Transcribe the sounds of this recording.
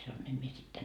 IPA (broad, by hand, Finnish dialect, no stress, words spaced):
sɑnoin em mie sit